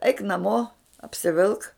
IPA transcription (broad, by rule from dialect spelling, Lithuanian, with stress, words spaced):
ɛɪk nɐˈmoː ɐpʲsʲɪˈʋʲɪlˠk